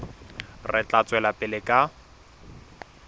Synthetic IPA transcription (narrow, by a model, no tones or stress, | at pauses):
rɪt͡ɬat͡sʼwɛlapʼɪlɪkʼa